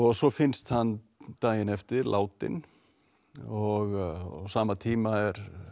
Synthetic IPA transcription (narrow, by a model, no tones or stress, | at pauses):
ɔɣsɔfɪnst̪hanː | t̪aːjɪnɛft̪ɪɾlʔa̰ːwt̪ɪ̰n | ɔɣsaːmat̪ʰiːmaɛɾ̥